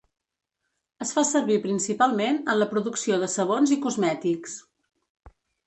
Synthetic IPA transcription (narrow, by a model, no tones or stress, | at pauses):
əsfasəɾβipɾinsipalˠmenənləpɾuðuksioðəsəβ̞onzikuzmɛt̪iks